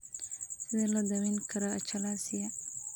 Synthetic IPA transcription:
sɪðɛlɐd̪ɐwɛŋkʰɐɾɐɐt͡ʃɐlasɪjɐ

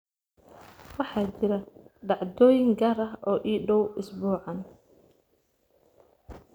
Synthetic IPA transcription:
wɑħɑːt͡ʃɪɾɐɖɑʕd̪ɔːjɪŋɡaːɾɐɦɔːʔiːɖɔwʔʊsbuːʕɑn

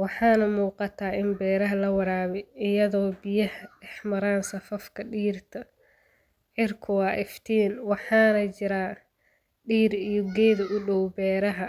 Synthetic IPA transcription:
wɑħɑːnɐmuːqɑt̪ʰaːɪnbɛːɾɐɦɐlɐwɑɾaːβɛɪjɐðɔːbɪjɐhɐɖɛħmɐɾaːnsɐfɐfkʰɐɖiːrt̪ʰɐ | ʕɪrkʰʊwɑːʔɪft̪ʰiːnwɑħɑːnɐt͡ʃɪɾaː | ɖiːɾijɔɡɛːðɐʔʊɖɔwbɛːɾɐɦɐ

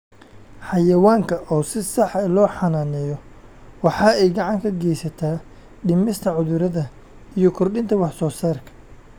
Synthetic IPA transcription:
ħɑjɐwaːŋkʰɐʔɔːsɪsɑħɛlɔːħɑnaːnɛjɔ | wɑħɑːɛjɡɑʕɑŋkʰɐɡɛjsɐt̪ʰaː | ɗɪmɪst̪ʰɐʕʊðʊɾɐðɐ | ijɔkʰʊrɗɪnt̪ʰɐwɑħsɔːsaːrkʰɐ̥

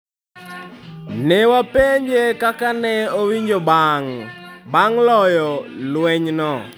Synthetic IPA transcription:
newapeɲd͡ʒekakanɛowiɲd͡ʒɔbaŋbaŋlɔjɔlwɛɲnɔ

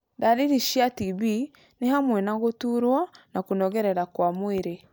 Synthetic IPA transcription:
daɾiɾiʃiatiβi | nehamwɛnaɣotuɾwɔnakonɔɣɛɾɛɾakwamweɾe

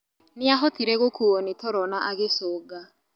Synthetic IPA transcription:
nɪaɦɔtiɾɛɣokʰuɔnetʰɔɾɔnaʔaɣesɔːɡa

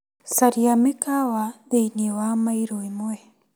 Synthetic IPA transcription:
saɾiamekawaðeiniwamaiɾoimoe

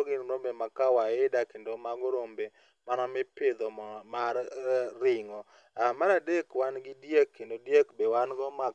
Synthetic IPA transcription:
oɡɪnɾombemakawaɪdakendomaɡɔɾombe | manɔmɪpɪd̪ɔmarɪŋɔ | amanadekwanɡɪdjekʰːendodjekbewanɡɔma

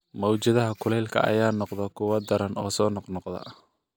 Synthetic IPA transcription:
mɐwt͡ʃɐðɐɦɐkʰʊlɛjlkʰɐ̰ʔɐ̰jaːnɔqðɛkʰʊwɐd̪ɐɾɐnɔ̰ːsɔːnɔqnɔqd̪ɐ̰

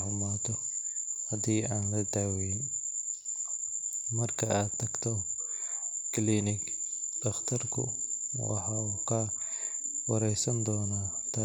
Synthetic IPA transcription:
ʊmaːt̪ʰɔ | hɐd̪iːʔaːnlɐd̪aːwɛjɪn | mɐrkʰɐaːd̪̚t̪ʰɐɡt̪ʰɔ | kʰliːnɪk | d̪̥ɐχt̪ʰɐrkʰʊ̰ | wɑ̰ħɑːkʰɐ | wɐɾɛjsɐnd̪ɔːnaː | d̪ɐ

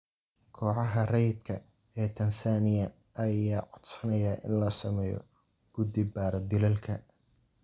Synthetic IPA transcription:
kʰɔːʕɑɦɐrɛjd̪kʰɐ | ɛːt̪ʰɐnsaːnɪjɐ | ʔɐjaːʕɔd̪sɐnɐjaːʔɪ̰nlɐsɐmɛːjɔ̰ | ɡ̥ʊd̪ɪbaːɾɐd̪ɪlɐlkʰɐ

